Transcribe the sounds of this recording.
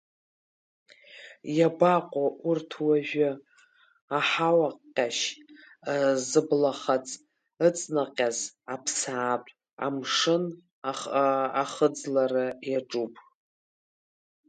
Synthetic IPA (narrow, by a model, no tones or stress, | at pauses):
jabaqʷʼaʔurtʰwaʒᶣʊ | aħawaqʲʼːaʃ | zɨblaχat͡sʼ | ɨt͡sʼnaqʲʼazapʰsaːpʷʼ | a̰mʂɨn | aχaχəd͡zlarɨjaʈ͡ʂʼupʼ